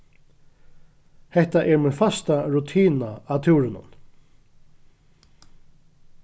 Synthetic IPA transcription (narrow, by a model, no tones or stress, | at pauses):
hɛht̪aʔɛɹmɛːðfast̪aɾut̪ʰiːnaat̪ʰɪwɾɪnʊ̰n